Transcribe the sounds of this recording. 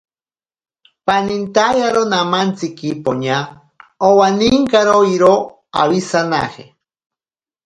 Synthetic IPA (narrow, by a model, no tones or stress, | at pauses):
panint̪ajaɾonamant͡sikipoɲa | owaniŋkaɾoiɾo | a̰wisana̰he